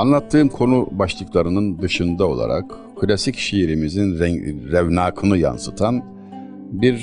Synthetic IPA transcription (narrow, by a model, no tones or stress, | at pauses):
anlˠat̪ʰːɯːmkʰo̞nubaʃlˠɯklˠaɾɯnɯnd̪ɯʃɯnd̪ao̞̰lˠa̰ɾa̰k | kʰːɯlʲasicʃeiɾimizinɾɛɾɛvnaːkʰɯnɯja̰nsɯt̪ʰan | biɾ